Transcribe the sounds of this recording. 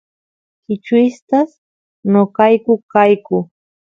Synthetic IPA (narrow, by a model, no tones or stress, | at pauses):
kɪt͡ʃʊɪst̪as | nokajkʊkajkʊ